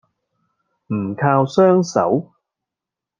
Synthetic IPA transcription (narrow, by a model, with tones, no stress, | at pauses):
m̩ː˨˩kʰaː˧wsœː˥ŋsɐ̰˨˥w